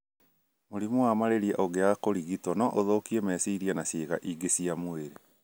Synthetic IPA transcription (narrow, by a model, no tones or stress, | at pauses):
moɾimuamaɾeɾiɛʔoɣeakoɾiɣitɔnɔʔoðokiemɛːsiːɾianaseːɣaʔiɡesiamoeɾe